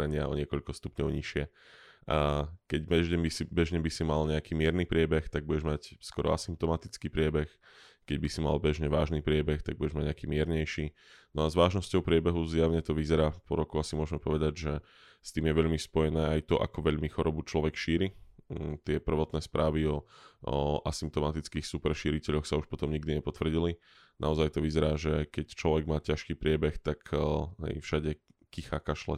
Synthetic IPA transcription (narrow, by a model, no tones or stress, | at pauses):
ɾɛɲɪaɔ̰ɲɪɛkɔʎkɔst̪upɲɔʊɲiʃɪɛ | akɛɟmɛʒɟɛɲbisibɛʒɲɛbisimalɲɛakiːmɪɛɾniːpɾɪɛbɛxt̪aɡ̚buɟɛʒmacskɔɾɔ̰a̰simp̚t̪ɔmat̪it͡skiːpɾɪɛbɛx | kɛɟbisima̰lbɛʒɲɛʋaːʒniːpɾɪɛbɛxt̪aɡ̚buɟɛʒmaɟɲɛakiːmɪɛɾɲɛjʃiː | nɔazʋaːʒnɔscɔʊpɾɪɛbɛɦuzjaʊɲɛt̪ɔʋizɛɾaːpɔɾɔkɔʊasimʊɔʒmɛpɔʋɛd̪aɟʒɛ | st̪iːmjɛʋɛʎmispɔjɛnɛːajt̪ɔʔa̰kɔʋɛʎmixɔɾɔbut͡ʃlɔʋɛkʃiːɾit̪ɪɛpr̩ʋɔt̪nɛːspɾaːʋiɔ | ʔasimp̚t̪ɔmat̪it͡skiːxsupɛɾʃiːɾicɛʎɔxsauʃpɔt̪ɔmɲiɡ̚d̪iɲɛpɔt̪ʋr̩ɟili | na̰ɔzajt̪ɔʋizɛɾaːʒɛkɛct͡ʃlɔʋɛɡmaːcaʃkiːpɾɪɛbɛxt̪akɦɛ̰jfʃaɟɛ | kixakaʃlɛ̰